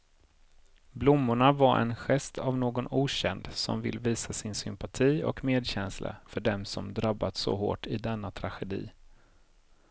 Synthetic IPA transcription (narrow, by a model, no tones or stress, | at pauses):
blʊmːʊɳavaɾʔɛ̰nɧɛst̪ʰavnoːɡɔnuːɕɛnd̪sɔ̰mvɪ̰lːviːsasɪnsʏmpat̪ʰiːɔ̰kmeːd̪ɕɛnsla̰fœɖɛmsɔmd̪ɾabːat̪sɔ̰ɦo̰ːʈɪd̪ɛnːat̪ʰɾaɧɛd̪ḭː